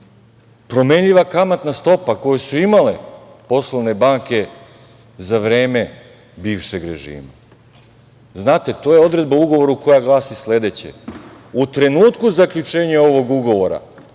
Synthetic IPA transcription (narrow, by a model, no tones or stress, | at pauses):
pɾo̞me̞ɲʎiʋakamat̪nast̪o̞pako̞jesuimalḛ | po̞slˠoʋne̞baːŋke̞ | zaʋɾeːme̞ | biːʋʃe̞ɡɾḛʒḭːma̰ | znaːt̪e̞t̪o̞je̞o̞d̪ɾe̞d̪̚bauɡo̞ʋo̞ɾuko̞jaɡlˠaːsisle̞d̪e̞t͡ɕḛut̪ɾe̞nuːt̪kuzakʎʲut͡ʃe̞ːɲeo̞ʋo̞ɡuɡo̞ʋo̞ɾa̰